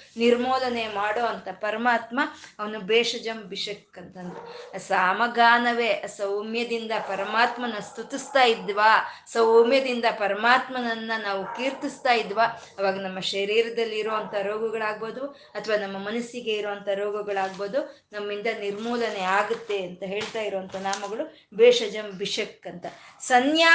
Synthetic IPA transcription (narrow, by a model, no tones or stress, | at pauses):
niɾmoːlɐnemaːɽoːɐnt̪ɐpɐɾɐmaːt̪mɐɐʋɐnubɛːʂɐd͡ʒɐmbiʂɐkːɐnt̪ɐnt̪ɐɐsaːmɐɡaːnɐʋe̞ɐsɐwmjɐd̪ind̪ɐpɐɾɐmaːt̪mɐnɐst̪ut̪ist̪aːjid̪ʋaːsɐwmjɐd̪ind̪ɐpɐɾɐmaːt̪mɐnɐnːɐnaːʋukiːɾt̪ist̪aːjid̪ʋaː | ɐʋaːɡɐnɐmːɐʃɐɾiːɾɐd̪ɐlːiɾoʋɐnt̪ʰɐɾoːɡɐɡɐɭaːɡ̚boːd̪u | ɐt̪ʰɐʋaːnɐmːɐmɐnɐsiɡe̞iɾoʋɐnt̪ʰɐɾoːɡɐɡɐɭaːɡboːd̪unɐmːind̪ɐniɾmuːlɐneaːɡut̪ːe̞ɐnt̪ɐɦe̞ːɭt̪aːjiɾoʋɐnt̪ʰɐnaːmɐɡɐɭu | beːʂɐd͡ʒɐmbiʂɐkːɐnt̪ɐsɐnjaː